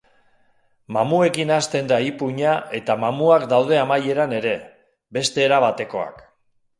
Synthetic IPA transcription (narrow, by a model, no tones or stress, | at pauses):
mamue̞kinast̪e̞nd̪aipuɲaʔe̞t̪amamuakd̪awð̞e̞amaje̞ɾane̞ɾe̞ | be̞st̪e̞ːɾaβ̞at̪e̞ko̞a̰k